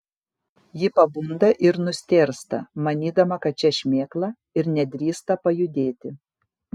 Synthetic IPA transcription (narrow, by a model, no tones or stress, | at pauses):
jɪpɐbʊnd̪ɐʔɪɾnʊsʲt̪ʲeːɾst̪ɐmɐnʲiːd̪ɐmɐkɐt̪̚t͡ʃʲɛʃʲmʲeːklˠɐ | ɪɾnʲɛd̪ʲɾʲiːst̪ɐpɐjʊd̪ʲeːt̪ʲɪ